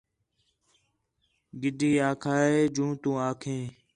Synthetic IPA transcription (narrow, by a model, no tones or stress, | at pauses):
ɡɪɗiːaːkʰaːeːd͡ʒũːt̪ũːaːkʰẽː